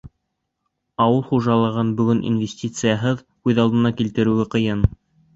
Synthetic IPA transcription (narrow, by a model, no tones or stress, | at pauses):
ɑwɤlˠχuʒɑlˠɤʁɤnbɵ̆ɡɵnʔḭnvʲesʲtʲit̪sɨjɑɦɤð | ʉðɑlˠd̪ɤ̆nɑkilt̪ɘ̆ɾʉ̆ɡɘqɤ̆jɤn